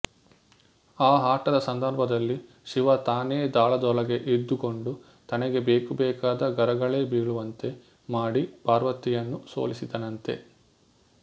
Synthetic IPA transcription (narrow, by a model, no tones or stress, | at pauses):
aːɦaːʈɐd̪ɐsɐnd̪ɐɾbɐd̪ɐlːi | ʃiʋɐt̪aːne̞ːd̪aːɭɐd̪ɔlɐɡe̞ʔid̪ːuko̞ɳɖu | t̪ɐnɛɡe̞beːkubɛːkaːd̪ɐɡɐɾɐɡɐɭe̞ːbiːɭuʋɐnt̪e | maːɽipaːɾʋɐt̪ijɐnːuso̞̰ːlisid̪ɐnɐnt̪e̞̰